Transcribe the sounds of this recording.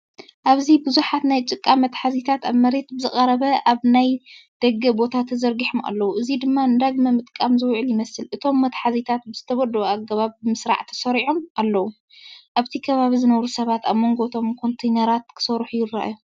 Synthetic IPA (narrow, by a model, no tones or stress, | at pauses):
ʔaβzibɨzuħat̪najt͡ʃʼɨkʼːamɐt̪ħazit̪ʰat̪aβmɐɾe̞t̪bɨzɨχʼɐɾɐβɐʔaβnajd̪̥ɐɡɐbo̞t̪ʰat̪ʰɐzɐɾɡiħoma̰lːɐwuʔɨzid̪ɨmːand̪aɡmɐmɨt̪ʼkʼamzɨwʕɨljɪmɐsɨlʔɨt̪ʰo̞mːɐt̪ħazit̪ʰat̪̚bɨzɨt̪ʰɐβɐd̪oaɡɐβaβːɨmɨsɾa̰ʕt̪ʰɐ̥sɐɾiʕo̞mʔalːɐwu | ʔaβt̪ʰikʰɐβaβizɨnɐβɾusɐβat̪aβmo̞ŋɡo̞t̪ʰo̞mkʰo̞nt̪ʰejnɐɾat̪̚kʰɨ̥sɐɾħujɪrːa̰ʔju